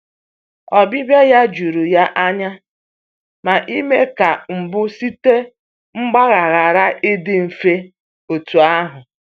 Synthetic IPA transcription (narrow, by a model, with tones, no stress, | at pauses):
ɔ˨bɪ˦bje˦ja˦d͡ʒu˨ɾu˨ja˦ʔa˦ɲa˦ | ma˨ʔi˦me˦ka˨m̩˨bʊ˦si˦te˦ | ŋ͡m̩˦ɡ͡ba˦ɣa˨ɣa˨ɾa˦ʔɪ˦dɪ˦m̩˨fe˦ | o˨tu˨a˦ɦʊ˨